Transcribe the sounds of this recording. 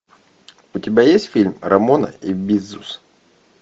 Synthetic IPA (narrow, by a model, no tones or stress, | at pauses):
ʊtʲɪbʲajesʲtʲfʲilʲmɾɐmonə̰ibʲizʊs